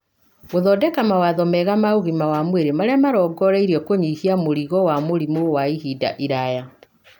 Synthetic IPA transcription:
ɣoðɔdɛkamawaðɔmɛɣamaoɣimawamweɾemaɾeamaɾɔɡɔɾɛiɾiɔkoɲihiamoɾiɣɔwamoɾimowaihida̰ʔiɾaja

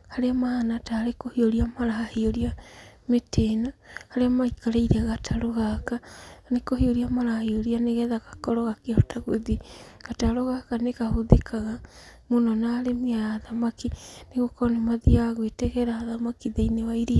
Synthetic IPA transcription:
haɾeamaanataːɾekohioɾiamaɾahaheoɾiametʰenohaɾeamaikaɾaiɾɛɣatʰaɾoɣakanekohioɾiamaɾahheoɾianeɣɛðaɣḁkɔɾɔɣakeɔtaɣoðiɣ̥ataɾoɣakaneɣahoðekʰaɣamonɔnaːɾemiaðamakineɣokɔnemaðiaɣwetɛɣɛɾaðamakiðeinewaiɾi

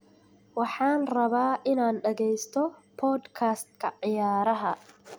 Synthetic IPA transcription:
wɑħɑːnrɐβaːʔɪnaːnɖɐɣɛjst̪ʰɔpʰɔːd̪kʰaːst̪̚kʰɐʕɪjaːɾɐɦɐ

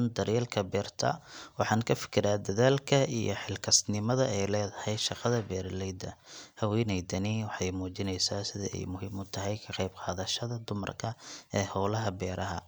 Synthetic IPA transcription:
nd̪ɐɾɛlkʰɐbɛːrt̪ʰɐ̰wɑħɑːnkʰɐfɪ̥kʰɪɾaːd̪ɐðaːlkʰɐḭjɔ̰ħɪlkʰɐsnɪmɐðɐɛjlɛːðɐhɛjʃɑqɑðɐbɛːrlɛjd̪ɐhɐwɛjnɛjd̪ɐniːwɑħɑjmuːt͡ʃɪnɛjsaːsɪðɐ̰ɛ̰jmʊhɪmʊt̪ʰɐɦɛjkʰɐqɑjbqɑːðɐʃɐðɐd̪ʊmɐ̰rkʰɐɛːhɔwlɐɦɐbɛːɾɐɦɐ̰

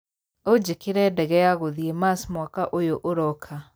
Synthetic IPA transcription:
od͡ʑekeɾɛdɛɣɛjaɣoðiemasmwakaʔojoʔoɾɔkʰa

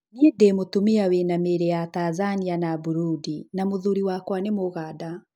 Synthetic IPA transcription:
niedemotomiawenameɾɛjataːzanianabuɾudinamoðuɾiwakwanemoɣaːda

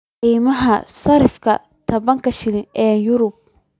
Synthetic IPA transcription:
qiːmɐɦɐsɐɾɪfkʰɐ̰ | t̪ʰɐbɐŋkʰɐʃɪlɪnɛːjʊɾʊb̚

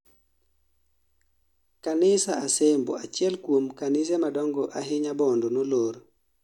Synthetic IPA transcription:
kanɪsaasembo̰at͡ʃjɛlkwomkanɪs̬ɛmadɔŋɡɔʔaɦɪɲabɔndonoloɾ

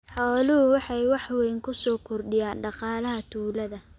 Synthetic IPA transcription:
ħɔːlʊhʊwɑħɑjwɑħwɛjŋkʰʊsɔːkʰɔrɖɪjaːnɖɑqɑːlɐɦɐt̪ʰuːlɐðɐ

